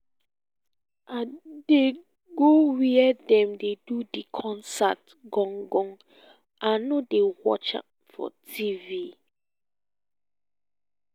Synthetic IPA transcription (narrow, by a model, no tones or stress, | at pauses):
ade | ɡowiɛdɛ̃mdedudikʰɔ̃nsa̰t | ɡɔ̃ŋɡɔ̃ŋ | ʔãnodewɔ̰t͡ʃa̰p | fɔ̰tʰivi